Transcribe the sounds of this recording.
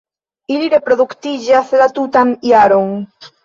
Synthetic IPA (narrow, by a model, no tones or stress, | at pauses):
iliɾepɾoðukt̪iʎaθelat̪ut̪aniaɾoŋ